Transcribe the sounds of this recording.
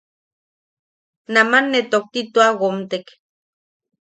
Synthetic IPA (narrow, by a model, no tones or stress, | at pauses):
namanːet̪ok̚t̪it̪oaɣomt̪ek